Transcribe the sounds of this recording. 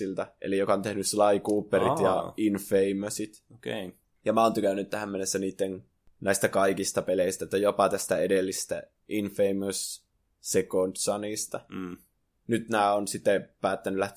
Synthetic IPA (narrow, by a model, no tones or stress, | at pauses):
ilt̪æʔḛlijokɑont̪ehnysslɑikuːpːeɾit̪jɑ̰infeimøsit̪ | oke | jɑmæont̪ykænːynt̪tæhæmːenːesːæniːt̪ːen | næist̪ækɑikist̪ɑpeleist̪æet̪ːæjopɑt̪æst̪æedelːisst̪æ | ʔinfeimøsː | ekont̪sɑnist̪ɑ | nyt̪næːonsit̪ːepæːt̪ːænylæht̪